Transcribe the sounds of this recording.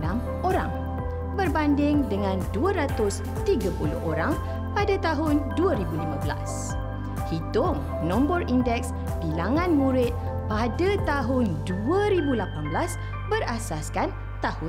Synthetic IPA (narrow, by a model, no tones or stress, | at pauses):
nãm | oɾa̰ŋ | bərbandɪŋdəŋãnduəɾat̪ʊs | t̪iɡapulʊ̰hoɾaŋ | padat̪aɦʊnduəɾibulimãbəla̰s | hit̪ʊŋ | nɔ̃mbərindɛks | bilaŋãnmũɾɪt̪̚ | padət̪aɦʊnduəɾibulapanbəlas | bərasaskan | t̪ahʊ